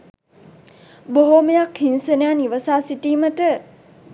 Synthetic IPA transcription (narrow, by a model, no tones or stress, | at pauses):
boɦomejakhinsənejaniʋəsaːsiʈiːməʈə